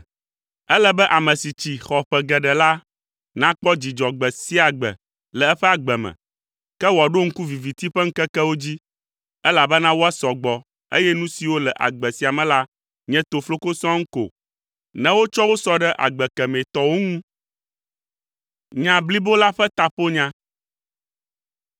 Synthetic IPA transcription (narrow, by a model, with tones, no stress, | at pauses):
ɛ˦lɛ˦bɛ˦ʔa˨mɛ̃˨si˨t͡ɕi˨xɔ˨ɸɛ˨ɡɛ˨ɖɛ˨la˦ | nã˦k͡pɔ˦d͡ʑi˨d͡ʒɔ˨ɡ͡bɛ˨si˦a˨ɡ͡bɛ̰˨ | lɛ˨ɛ˦ɸɛ˦a˨ɡ͡bɛ˨mɛ̰̃˨ | kɛ˦wɔ˨ɖo˦ŋ̩˦ku˦vi˨vi˨t̪i˦ɸɛ˦ŋ̩˦kɛ˦kɛ˦wo˦d͡ʑi˦ | ɛ˦la˨bɛ˦nã˦wo˦a˦sɔ˨ɡ͡bɔ˨ | ḛ˦jɛ˦nũ˦si˨wo˦lɛ˨ʔa̰˨ɡ͡bɛ˨si˨˦a˨mɛ̃˨la˦ | ɲɛ̃˦t̪o˨flo˦ko˦sɔ̃˦ŋ̩˦ko̰˨ | nɛ̃˦wo˦t͡ʃɔ˦wo˦sɔ˦ɖɛ˦ʔa̰˨ɡ͡bɛ˨kɛ˨mẽ˨t̪ɔ˦wo˦ŋũ˦ | ɲã˨bli˦bo˦la˦ɸɛ˦t̪a˨ɸo˦ɲã˦